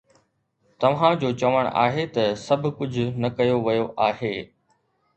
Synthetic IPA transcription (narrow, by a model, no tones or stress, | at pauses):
t̪ɐʋ̤ãd͡ʑoːt͡ɕɐʋəɽ̰̃ʔa̰ːɦet̪ɐsɐbʱʊkʊd͡ʑʱʊ̆nɐkɐjoʋɐjoʔaːɦeː